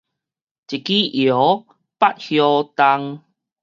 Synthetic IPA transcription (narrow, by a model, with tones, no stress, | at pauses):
t͡ɕi˨˩ki˦jo˨˦ | pa˦t̚hjɔ˧t̪a˧ŋ